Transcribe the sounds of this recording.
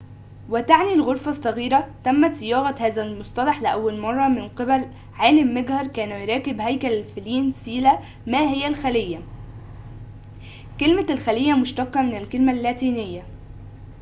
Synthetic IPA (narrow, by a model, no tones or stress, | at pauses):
wɪt̪aʕnilɣoɾˤfɑsˤːɑɣiːɾæt̪æmːæt̪sɪjɑːɣɑhæːzælmosˤt̪ˤɑlɑħlɪʔæwːælmɑrˤːɑmɪnqebæl | ʕaːlɪmːæɡhɑɾˤkæːnujɾˤɑːkɪbhæjkælælfeliːnsiːlæ | mæːhɪjːælxælɪjːæ | kelmælxælɪjːæmʊʃt̪ɑqːɑmɪnɪlkelmælːæːt̪iːnɪjːæ